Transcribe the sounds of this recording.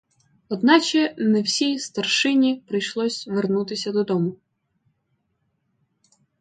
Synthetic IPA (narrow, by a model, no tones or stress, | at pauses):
ɔd̪nɑt͡ʃɛnɛwsʲijst̪ɐrʃɪnʲipɾɪjʃlˠɔsʲʋernut̪ɪsʲɐd̪ɔd̪ɔmʊ